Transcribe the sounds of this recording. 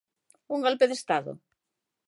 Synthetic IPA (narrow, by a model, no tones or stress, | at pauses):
uŋɡolpeðest̪aðo̰